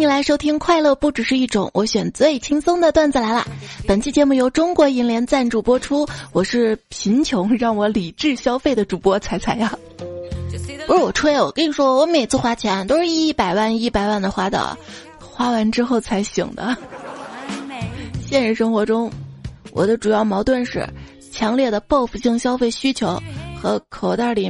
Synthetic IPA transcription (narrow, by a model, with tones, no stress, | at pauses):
ni˨˩la˧˥ɪʂo˥ʊt̪ʰi˥ŋkʰwa˥˧ɪlɤ˥˧pu˥˩ʈ͡ʂɻ̩˨˩ʂɻ̩˥˧i˥˩ʈ͡ʂʊ̰˧˩˦ŋwʔɔ˧˥ɕɥɛ˨˩nt͡swe˥˧˩ɪt͡ɕʰi˥ŋsʊ˥ŋd̪ə˨t̪wa˥˧nt͡s̩˥˩la˧˥ɪlə̰˧pə˨˩nt͡ɕʰi˥˩t͡ɕjɛ˧˥mu˥˩jo˧˥ʊʈ͡ʂʊ˥ŋkwɔ˧˥i˧˥nljɛ˧˥nt͡sa˥˩nʈ͡ʂu˨˩pwɔ˥ʈ͡ʂʰu˥wɔ˨˩ʂɻ̩˥˩pʰi˧˥nt͡ɕʰjʊ˧˥ŋɻɑ˥˩ŋwɔ˧˥li˨˩ʈ͡ʂɻ̩˥˩ɕjɑ˥ʊfe˥˩ɪd̪ə˩ʈ͡ʂu˨˩pwɔ˥t͡sʰa˧˥ɪt͡sʰa˧˥ɪa˧˩ | pu˧˥ɻ̩˥˩wɔ˨˩ʈ͡ʂʰu˥˧˥wɔ˨˩kə˥ni˧˩ʂwɔ˥˧˩wɔ˧˥me˨˩ɪt͡sʰɹ̩˥˧xwa˥t͡ɕʰjɛ˧˥nt̪o˥ʊʂɻ̩˥˧i˥˩pa˨˩ɪwa˥˧ni˥˩pa˨˩ɪwa˥˩nd̪ə˩xwa˥d̪ə̰˩ | xwa˥wa˧˥nʈ͡ʂɻ̩˥xo˥˩ʊt͡sʰa˧˥ɪɕḭ˨˩ŋd̪ə̰˦ | ɕjɛ˥˧nɻə˧˥˧nʂɤ˥ŋxwɔ˧˥ʈ͡ʂʊ˥ŋwʔɔ̰˨˩d̪ə˦ʈ͡ʂu˨˩jɑ˥˩ʊmɑ˧˥ʊt̪wə˥˧nʂɻ̩̰˥˩ | t͡ɕʰjɑ˧˥ŋljɛ˥˩d̪ə˩pɑ˥˧ʊfu˧˩ɕi˥˩ŋɕjɑ˥ʊfe˥˩ɪɕy˥t͡ɕʰjo˧˥ʊxɤ˧˥kʰo˨˩ʊt̪a˥˩li˨˩